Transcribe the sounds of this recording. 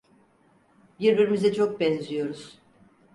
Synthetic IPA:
biɾbiɾimizɛt͡ʃʰok̚bɛnzijo̞ɾuz̥

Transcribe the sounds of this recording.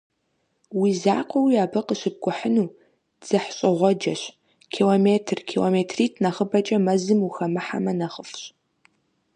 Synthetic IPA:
wiːzaːqʷɔwijaːbɐqəɕɪb̚ɡʷʼʊħənuː | d͡z̥ɨħɕʼɪʁʷɔd͡ʒɐɕ | kʰiːlomeːtʰrkʰilomeːtʰriːtʰnɐχəbɐt͡ʃʼɐmɐzɨmuxɐmɨħa̰mɐnɐχəfɕʼ

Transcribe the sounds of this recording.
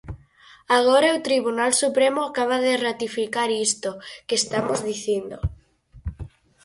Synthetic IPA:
aɣ̞oɾaot̪ɾiβunalsupɾemoakaβ̞aðerat̪ifikaɾist̪okest̪amozðiθind̪o̰

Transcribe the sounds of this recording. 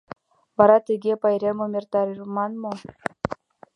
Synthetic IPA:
vɑɾɑt̪ʲeɡʲepɑjɾʲemomʲert̪ɑɾʲirmɑnmo

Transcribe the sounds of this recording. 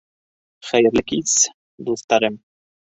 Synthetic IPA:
χæjɘ̆ɾlɘkis | d̪uθt̪ɑɾɤm

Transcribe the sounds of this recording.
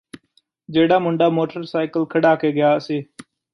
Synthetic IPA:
d͡ʒeːɽaːmʊɳɖaːmoːʈəɾsaːɪkəlkʰəɽaːkeːɡɪjaːseː

